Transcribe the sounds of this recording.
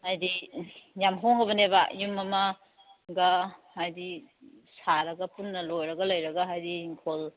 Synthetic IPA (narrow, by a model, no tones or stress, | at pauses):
ajdijamɦoŋɡɐbɐneba̰jumɐmɐ | ɡɐhajdi | saɾɐɡɐpunːɐlojɾɐɡɐlojɾɐɡɐɦajdiŋkʰol